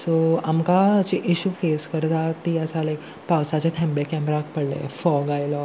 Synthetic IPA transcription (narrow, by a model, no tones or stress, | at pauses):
soamkat͡ɕiʔiɕuːfeskəɾt̪at̪iəsalajk | pawsat͡ɕat̪ʰɛ̃mbekɛmɾak̚pəɽlḛfɔɡajlɔ